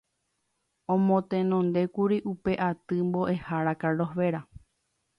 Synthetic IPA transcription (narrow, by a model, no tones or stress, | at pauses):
õmõt̪ẽnõnd̪e̞kuɾiʔupe̞ʔat̪ɨmbo̞ʔe̞haɾakaloɦʋe̞ɾa